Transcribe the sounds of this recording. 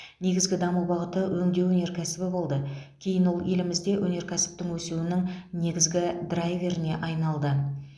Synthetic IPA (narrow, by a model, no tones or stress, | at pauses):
ne̞ɡʲɪzɡʲɪd̪ɑmuwbɑʁət̪əwʔɵŋd̪e̞wɵne̞ɾkʲʰæsɪbɪbo̞lˠd̪əkʲʰe̞jɪnwo̞lˠje̞lɪmɪzd̪e̞wʔɵne̞ɾkʲʰæsɪ̥p̚t̪ɪŋwɵsuwɪnɪŋne̞ɡʲɪzɡʲɪd̪rajvʲe̞ɾɪne̞ʔɑjnɑlˠd̪ə